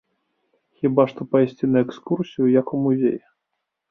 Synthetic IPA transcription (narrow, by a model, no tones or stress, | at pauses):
xʲibaʂt̪ɔpajsʲt͡sʲinɐɛkskursʲijujɐkumuzʲḛj